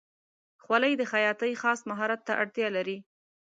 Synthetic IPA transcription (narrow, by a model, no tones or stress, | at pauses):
xwaləjd̪əxajɑt̪əjxɑsmaɦɑɾat̪ːaʔaɽt̪jɑlaɾi